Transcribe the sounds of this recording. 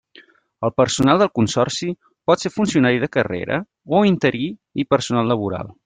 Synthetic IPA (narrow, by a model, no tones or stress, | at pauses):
əlˠpəɾsunalˠd̪əlˠkunsɔrsi | pɔt̪sefunsiunaɾiðəkərḛɾə̰ | oint̪əɾiipəɾsunalˠːəβuɾa̰lˠ